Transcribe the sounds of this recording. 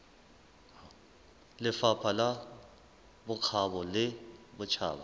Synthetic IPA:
lɪfapʰala | bʊk͡xʰaβɔlɪbʊt͡ʃʰa̰ːba

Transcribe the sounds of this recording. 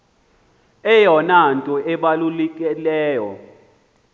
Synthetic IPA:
ɛjɔnantʼɔʔɛɓalulɛkʼɛlɛːjɔ̰

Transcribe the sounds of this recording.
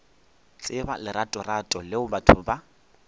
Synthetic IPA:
t͡ɬʼɪbalɪɾatʼɔratʼɔlɪʊbatʰʊba

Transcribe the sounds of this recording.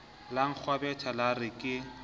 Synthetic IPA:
laŋ̩k͡xʰwabɛtʰalarɪkʼɪ

